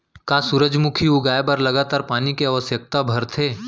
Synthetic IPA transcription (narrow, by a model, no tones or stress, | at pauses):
kasuɾəd͡ʒmukʰiuɡaːjebɐɾlɐɡaːt̪aːɾpaːnikeaʋəsjək̚t̪abʱɐɾt̪ʰeː